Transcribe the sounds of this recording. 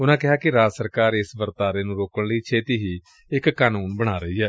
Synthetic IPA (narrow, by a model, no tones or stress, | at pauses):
ʊnãːkɪɦaːkɪɾaːsəɾkaːɾɪsʋəɾt̪aːɾeːnũːɾoːkəɳ̃ləiːt͡ʃʰeːt̪iːɦiː | ɪkːaːnuːnbəɽ̃aːɾəiːɛː